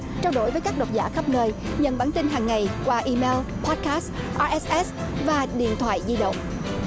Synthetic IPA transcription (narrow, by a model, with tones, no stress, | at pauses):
t͡ɕaː˧wɗo˧˩jvəː˨˦jkaː˦˥k̚ɗə˨˩t̚zaː˧˩xə˦˥p̚nəː˧jɲə̰˧˨nɓaː˧˩nt̪ï˧nɦaː˨˩ŋːa˨˩jkwaː˧ʔi˧me˧lpʰɔ˦˥t̚kaː˦˥sʔaː˧ʔɛ˦sʔɛ˦˥svaː˨˩ɗḭ˧˨ənt̪ʰwa̰ː˧˨jzi˧ɗə̰˧˨wŋ͡m